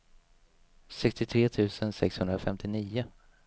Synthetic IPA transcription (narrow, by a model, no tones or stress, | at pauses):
sɛkst̪ɪt̪ʰɾeːt̪ʰʉ̟ːsənsɛkshɵnd̪ɾafɛmt̪ʰɪniːʊ